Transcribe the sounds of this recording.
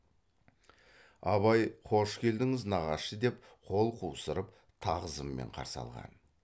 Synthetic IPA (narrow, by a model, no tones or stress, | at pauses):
ɑβɑjqʰo̞ʃkʲʰe̞ld̪ɪŋɪznɑʁɑʃəd̪e̞p | qʰo̞lˠqʰuwsəɾəp | t̪ʰɑʁəzəmːe̞̰ɴqʰɑ̰ɾsɑ̰lˠʁɑ̰n